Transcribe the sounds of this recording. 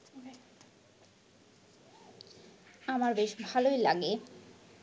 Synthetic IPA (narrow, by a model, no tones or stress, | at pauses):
amaɾbeʃbʱalojlaɡe